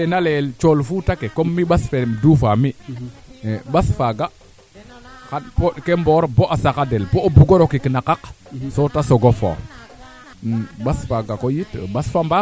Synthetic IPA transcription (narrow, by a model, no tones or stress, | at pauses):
enalelt͡ʃolfutakekomːiɓasfemdufami | ɓasfaɡa | kapokemboɾboʔasakadɛlboobuɡoɾokikinakaksotasoɡofo̰ | ɓasfaɡakojitɓasfamba